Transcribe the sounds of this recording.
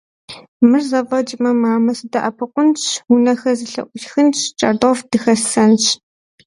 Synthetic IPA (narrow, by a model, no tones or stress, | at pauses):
mɨrzɐvɐd͡ʒʼɪmɐmaːmɐsɨdɐʔɐpʰɨqʷʊnt͡ʃʰwunɐxɐzɨɬɐ̰ʔʷʊʃxɨnt͡ʃʰt͡ʃʼɐrdofd̥ɨxɐsɐnt͡ʃʰ